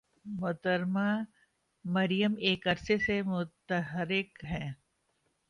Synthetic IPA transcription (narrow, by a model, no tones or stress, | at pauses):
mʊt̪əɾma | mɐɾijəmeːkɐɾsesemʊt̪əɦɾɪkɦɛ̃ː